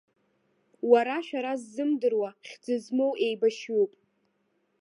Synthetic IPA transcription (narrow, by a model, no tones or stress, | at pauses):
waɾaʃᶣaɾazːɨmdɨrwaχʲd͡zɨzmo̞wʔe̞jbaʃupʼ